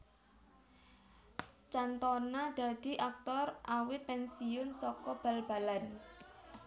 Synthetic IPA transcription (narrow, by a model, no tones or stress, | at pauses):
t͡ʃant̪ɔnad̪̥a̤d̪̥i̤ʔak̚t̪ɔrʔawɪt̪̚pɛnsiʊnsɔkɔb̥a̤lb̥a̤lan